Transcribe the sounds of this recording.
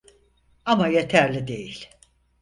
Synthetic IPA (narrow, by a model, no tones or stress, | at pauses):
amajet̪ʰæɾlʲid̪e̞jilʲ